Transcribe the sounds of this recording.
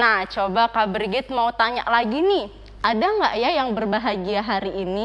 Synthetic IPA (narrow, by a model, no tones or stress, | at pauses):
nat͡ʃobakabərɡɪt̪̚maut̪aɲa̰ʔlaɡinɪ | ʔadaŋɡaʔjajaŋbərbaɦaɡiaɦaɾiːni